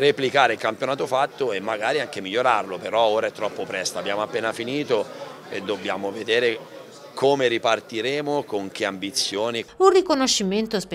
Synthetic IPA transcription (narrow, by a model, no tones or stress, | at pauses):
replikaːɾeilkampjonaːt̪ofat̪ːoemːaɡaːɾiaŋk̟emiʎːoɾarlopeɾɔoːɾaɛt̪ːɾɔpːopɾɛst̪aːbːjaːmoapːeːnafiniːt̪o | ḛd̪ːobːjaːmoved̪eːɾe | kʰomeɾipart̪iɾeːmokoŋk̟eambit̪sːjoːniunrikonoʃːiment̪ospe